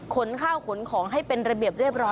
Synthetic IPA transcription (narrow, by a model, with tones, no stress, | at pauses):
kʰo˩˦nkʰaː˥˩wkʰo˨˩˦nkʰɔː˩˦ŋɦa˥˩jpe˧nɾa˧bi˨˩əp̚ɾi˥˩p̚ɾɔː˦˥